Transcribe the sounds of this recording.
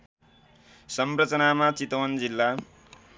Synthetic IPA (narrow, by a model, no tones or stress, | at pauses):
sʌmrʌt͡sʌnamat͡sit̪ʌwʌnd͡zilːa